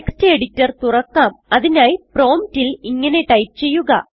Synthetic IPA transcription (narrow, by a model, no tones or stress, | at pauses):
kstɨeɽitːɐrt̪urɐkːaːmɐðinaːjpro̞ːmtiliŋːɐne̞ʈɐjp̚t͡ɕe̞jːuɣɐ̰